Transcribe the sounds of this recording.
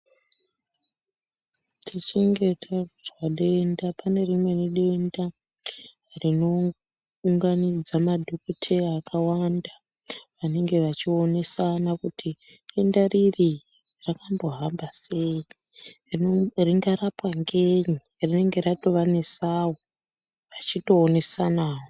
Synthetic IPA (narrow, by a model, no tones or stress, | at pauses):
tʰit͡ʃiŋɡe̞tʰaʐwaɗe̞ndapane̞rimwe̞niɗe̞nda | rino̞ | uŋɡanid͡zamadʱokutʰejaːkʰawanda | ʋane̞ŋɡe̞ʋat͡ʃione̞sanakutʰi | ɗendariri | rakambo̞ɦambasei | rriŋɡaɾapwaŋɡeɲi | rine̞ŋɡe̞ɾato̞ʋane̞sawo | ʋat͡ʃito̞ːne̞sanaːwo